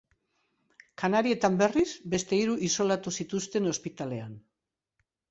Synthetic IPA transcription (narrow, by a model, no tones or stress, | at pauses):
kanaɾie̞t̪ambe̞rizbe̞st̪e̞iɾuʔiso̞lat̪usit̪ust̪e̞no̞spit̪ale̞an